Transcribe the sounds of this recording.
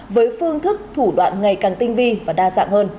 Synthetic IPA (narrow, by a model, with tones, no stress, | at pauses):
vəː˨˦jfɨ˧əŋt̪ʰɨ˦˥k̚t̪ʰu˧˩ɗwa̰ː˧˨nŋa˨˩jkaː˨˩ŋt̪ï˧ŋ̟vi˧vaː˨˩ɗaː˧za̰ː˧˨ŋhəː˧n